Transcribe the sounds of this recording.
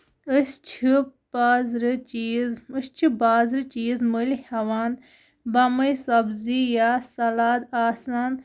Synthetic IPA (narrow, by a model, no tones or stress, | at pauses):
əst͡ʃʰibaːzɾɨt͡ʃiːzɨst͡ʃʰibaːzɾɨt͡ʃiːzməlhɐʋaːn | bɐmɐjsɐbzijaːsɐlaːd̪aːsaːn